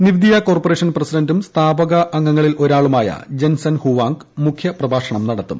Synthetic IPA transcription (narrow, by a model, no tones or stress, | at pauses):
niʋid̪ijɐko̞ːrporeːʂɐnprɐsidɐndumst̪ʰaːbɐɣɐʔːŋːɐŋːɐɭilo̞ɾaːɭumaːjɐ̰d͡ʑensɐnhuʋaːŋɡ | mukʰjɐprɐbʱaːʂɐɳɐmnɐɽɐt̪ːum